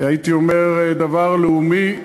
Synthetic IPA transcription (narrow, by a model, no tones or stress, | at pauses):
ait̪iome̞ʁd̪avaʁleumi